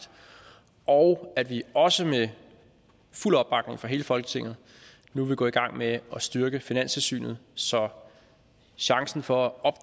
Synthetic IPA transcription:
d̥ | ʔɒʊædʋiɒ̽səme | ful̰ɒ̽b̥ɑ̈ɡ̥ne̝ŋfɒ̈ɦe̝ːləfɒ̽lɡ̥ət͡sʰe̝ŋ̰ð̩ˠ | nuʋe̝ɡ̥ɔ̰̽ːiɡ̥ɑ̈ŋ̰meɒ̽sd̥ɶɐɡ̥əfinæn̰st͡sʰe̝lsy̰ːnð̩ˠsɒ̽ | ɕɑ̈ŋsn̩fɒ̽æɒ̽b̥

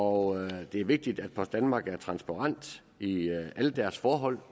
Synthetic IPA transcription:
ɒd̥e̝æɐʋe̝ɡ̥̚d̥id̥æd̥̚pʰɒ̽sd̥ænmɑ̈ːɡ̥æɐt͡sʰʁɑ̈nsb̥ʰɑ̈ʁɑn̰d̥ | iæləd̥æɐsfɒːɦɒ̽l̰

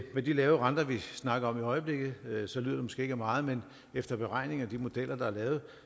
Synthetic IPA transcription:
med̥ilɛːʊəʁɑ̈nd̥ɐʋisnɑ̈ɡ̥ɐɒ̽miɒ̽ɪəb̥le̝ɡ̥ð̩ˠsɒ̽lyð̰ˠɐd̥emosɡ̥e̝̰ːe̝ɡ̥æmɑ̈ːð̩ˠmen | efd̥ɐb̥e̝ʁɑ̈ɪ̰ne̝ŋæd̥imo̝d̥el̰ɐd̥ɑ̈æɐlɛːʊð̩ˠ

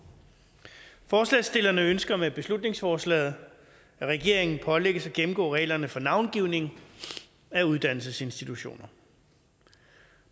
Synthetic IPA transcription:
fɒːslɛ̰ːsd̥e̝lɐnəønsɡ̥ɐmeb̥e̝slud̥ne̝ŋsfɒːslɛ̰ːð̞̩ˠ | æʁɛɡ̥e̝ɐ̰e̝ŋn̩pʰɒ̽leɡ̥əsɒ̽ɡ̥em̩ɡ̥ɔ̰ːʁɛ̰ɪlɐnəfɒ̽nɑ̈ʊnɡ̥iʊne̝ŋ̩ | æuð̞ˠd̥æn̰l̩səse̝nsd̥it͡sʰuɕo̝̰ːnɐ

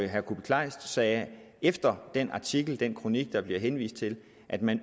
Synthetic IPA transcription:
ɦæɐkʰub̥e̥kʰlɑ̈ɪsd̥sɛː | efd̥ɐd̥enɑ̈t͡sʰiɡ̥l̩d̥enkʰʁo̝niɡ̥̚d̥ɑ̈b̥liɐɦenʋḭːsd̥̚t͡sʰe̝l | ʔæd̥mæn

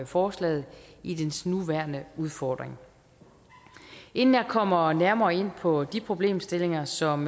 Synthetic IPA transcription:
fɒːslɛ̰ːð̩ˠid̥ensnuʋæɐnəuð̞ˠfɒːd̥ʁeŋ | ʔe̝nn̩jɑ̈kʰɒ̽m̰ɐnæɐmɐːe̝n̰pʰɒ̽d̥ipʰʁo̝b̥le̝̰ːmsd̥e̝le̝ŋɐsɒ̽m

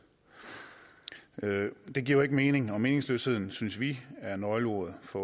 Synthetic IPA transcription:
d̥e̝ɡ̥ḭɐɐe̝ɡ̥əme̝ːne̝ŋɒ̽me̝ːne̝ŋslø̰ːshe̝ð̞̰ˠn̩synsʋiæɐenɒɪləoɐðˠfɒ̽

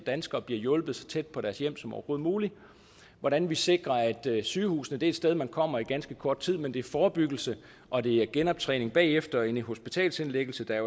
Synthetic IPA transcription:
d̥ænsɡ̥ɐːb̥liɐjɔ̽lb̥ð̞̩ˠsɒ̽t͡sʰed̥̚pʰɒ̽ɾæɐsjem̰sɒmɒ̰ʊɐɡ̥o̝ð̩ˠmuːli | ʋɒɾ̥ænʋise̝ɡ̥ʁɐæd̥syːhṵːsn̩əd̥e̝ːd̥sd̥eð̞ˠmænkʰɒ̽m̰ɐiɡ̥ænsɡ̥əkʰɒɐd̥t͡sʰið̰ˠmend̥e̝æɐfɒːb̥yɡ̥l̩sə | ʔɒ̽d̥e̝æɐɡ̥enɒ̽b̥̚t͡sʰʁɛ̰ːne̝ŋb̥ɛ̰ːefd̥ɐe̝nɦo̝sb̥it͡sʰɛ̰ːlse̝nleɡ̥l̩səd̥ɑ

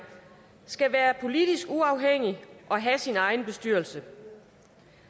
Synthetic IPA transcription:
sɡ̥æʋæːɐpʰo̝lid̥isɡ̥uɑ̈ʊɦeŋ̰iʔɒ̽ɦæsinɑ̈ɪn̩b̥e̝sd̥yɐ̰lsə

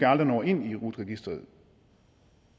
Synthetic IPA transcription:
ɑld̥ɐnɒːe̝n̰iʁud̥ʁɛɡ̥isd̥ʁɐð̩ˠ

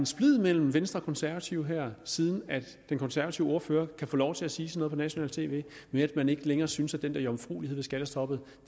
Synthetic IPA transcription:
ensb̥lið̰ˠmel̰m̩ʋensd̥ʁɐɒkʰɒ̽nsæɐʋæt͡sʰiʊɦæɐ̰siːð̞ˠn̩æd̥ | d̥enkʰɒ̽nsæɐʋæt͡sʰiʊo̝ɐfø̰ːɐkʰæfɔ̰ːlɒʊt͡sʰe̝læsiːsənɔð̩ˠpʰɒnæɕo̝nɛ̰ːlt͡sʰe̝̰ːʋe̝̰ː | meæd̥mæne̝ɡ̥əleŋɐːsynsæd̥end̥æɐiɒ̽mfʁṵːliheð̰ˠʋesɡ̥æd̥əsd̥ʰɒ̽b̥ð̞̩̥ˠ

